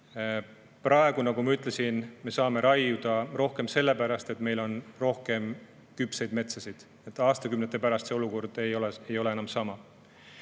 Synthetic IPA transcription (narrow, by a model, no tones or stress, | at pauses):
prʔɑe̞ɡ̥unɑɡ̥umɑyt̪ːˑle̞sinme̞sɑːme̞ɾɑjud̪̥ɑro̞hke̞mse̞lːe̞pæɾɑst̪e̞t̪me̞jlo̞nro̞hke̞m | kypsejd̪me̞t̪sɑsid̪̥ | et̪ːˑɑːst̪ɑkymnet̪ːˑepæɾɑst̪seoluko̞rd̪̥e̞jo̞leejo̞le̞enɑmsɑmɑ